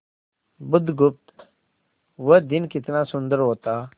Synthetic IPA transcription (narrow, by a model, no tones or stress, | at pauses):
bʊd̪ɡʊp̚t̪ | ʋəd̪ɪnkɪt̪naːsʊnd̪əɾɦoːt̪aː